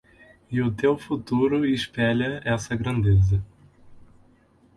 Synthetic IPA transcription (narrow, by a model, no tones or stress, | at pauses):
ɪʊt̪ewfut̪uɾʊɪʃpɛʎɐɛsɐɡɾɐ̃nd̪ezɐ